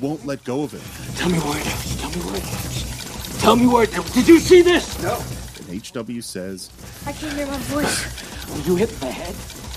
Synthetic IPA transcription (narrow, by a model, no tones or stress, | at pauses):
wõʊ̃nʔˡlɛt̚ɡ̥oʊʌvɪ̰t̚tʰɛlˠmiwə˞ɨɾaʊstʰɛlˠmiwə̰˞ɨɾæʊstʰɛlˠmiwə˞ɨt̚ɛd̥ɨd͡ʒɨsiðɪsnoʊɨ̰̃neɪt͡ʃd̥ʌbl̩ˠjʉsɛz̥ | aɪkɪ̃əəɔ | ɨd͡ʒɨɦɪt̚ðɨhɛd̥̚